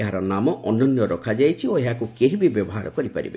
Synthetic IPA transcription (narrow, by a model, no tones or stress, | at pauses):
eɦaɾɔnamɔʔɔnɔnjɔɾɔkʰad͡ʒajt͡ʃʰioeɦakukeɦibibjɔbɔɦaɾɔkɔɾipa̰ɾḭbḛ